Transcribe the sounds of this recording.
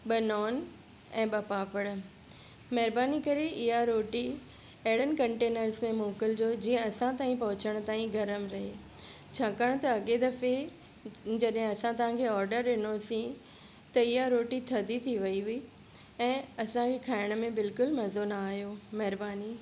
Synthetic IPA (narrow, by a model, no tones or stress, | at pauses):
ɓɐnɔːn | ɛ̃ːɓɐpaːpəɽ̃̆ | mɐɦɾbaːnikɐɾeʔɪɦaɾoːʈi | ɐɦɽənkɐ̃ɳʈeːnəɾsmẽmoːkəld͡ʑoːd͡ʑiːə̃ɐsãt̪aːĩpɐɦʊt͡ɕəɽ̃ʊ̆t̪aːĩɡʱɐɾəmɾɐɦe | t͡ɕʰakəɽ̃t̪ɐɐɠed̪ɐfe | d͡ʑɐɗɦɪ̃ɐsãt̪ɐɦãkʰeɔːɾɖəɾːɪnosĩ | t̪ɐɪɦaɾoːʈit̪ʰɐd̪ʱit̪ʰiʋɐiɦʊi | ɛ̃ːɐsãkʰekʰaːɪɽ̃̆mẽbɪlkʊlmɐzonaːɦjomɐɦɾbaːni